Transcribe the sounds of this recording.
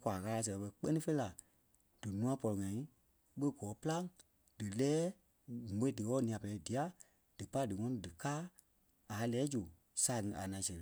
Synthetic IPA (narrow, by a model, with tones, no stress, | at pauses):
kʷaː˨ɣaː˧la˧s̬ɛ˨˧ɓə˧k͡pə˦nĩ˦fe˦i˦la˨ | d̥ɨ˨nũ˧˦ã˧pɔ˧lɔ˨ŋã˨ĩ˦ | ɓə˦ɡɔː˨˦pɨ˦la˦ŋ | d̥ɨ˨lɛː˨˦˨ | ẽ˨˦dɨ˨ɔː˦nĩ˨ã˨pɛ˨ɛ˨˦di˨a˨˦ | d̥ɨ˨pa˦dɨ˨ŋɔ̃˧nɔ̃˧˨dɨ˨kaː˦ | a˨˦lɛː˨˦d͡ʒu˨ | saː˨ŋĩ˧ʔa̰˨nã˨sɛ˨